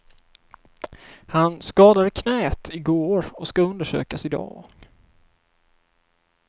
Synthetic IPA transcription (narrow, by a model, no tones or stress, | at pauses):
hanskɑːd̪ad̪əkʰnɛːt̪ʰɪɡoːɾɔskaɵnd̪əʂø̰ːkasɪd̪ɑ̰ːɡ̥